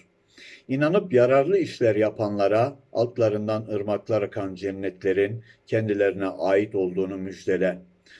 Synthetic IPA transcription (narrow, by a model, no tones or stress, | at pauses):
inanɯpjaɾaɾlˠɯiʃlʲæɾjapʰanlˠaɾa̰ːlˠt̪lˠaɾɯnd̪anɯɾmaklˠaɾakʰand͡ʒɛnːɛt̪ʰlʲe̞ɾin | cʰɛnd̪ilʲeɾinɛʔaːjit̪o̞lˠd̪uːnumyd͡ʒd̪e̞lʲɛ